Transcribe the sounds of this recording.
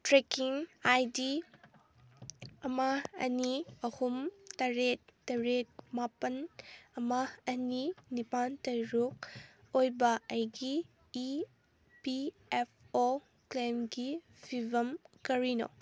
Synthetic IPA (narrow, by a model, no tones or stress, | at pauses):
tɾekiŋajdi | ɐmɐɐ̰niɐhumtɐɾet̚ːɐɾet̚mapɐnɐmaɐninipantɐjɾuk̚ | ojbɐɐjɡiː | pi | ep̚ʰ | o | klemɡi | bʰʱibʱɐmkɐɾino̰